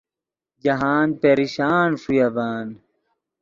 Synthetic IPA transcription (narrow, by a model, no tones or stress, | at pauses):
d͡ʑɐɦaːnpeɾiɕaːnʂujɐbaːn